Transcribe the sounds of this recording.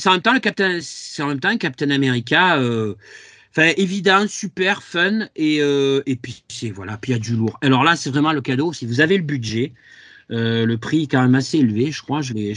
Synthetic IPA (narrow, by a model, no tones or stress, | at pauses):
sɛɑ̃mɛmt̪ɑ̃ləkap̚t̪ɛnssɛɑ̃mɛmt̪ɑ̃ɛ̃kap̚t̪ɛnameʁikʲaø̃ | fɛ̃ʔevid̪ɑ̃sypɛʁfœneøepɥisɛvwalapɥijad̪yluːʁalɔʁlasɛvʁɛmɑ̃ləkad̪osivuzaveləbyd̪ʒɛ | øləpχiɛkɑ̃mɛmaseelveʒəkχwaʒəvɛ